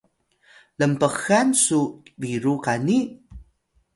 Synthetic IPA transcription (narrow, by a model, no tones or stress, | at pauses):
ləmpəxansubiɾuqani